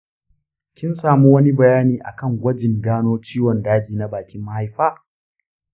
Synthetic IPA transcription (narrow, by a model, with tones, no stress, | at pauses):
kʲɪ˦nsaː˨mu˦wɐ˦ni˦bɐ˨jaː˦niː˨ʔa̰˨kɐ˦˨ŋɡʷɐ˦d͡ʒɪ˨nɡaː˦noː˦t͡ʃiː˦wɔ˨ndaː˦d͡ʒiː˨na˦baː˨kʲɪ˦mːa˦ha˦jɸaː˦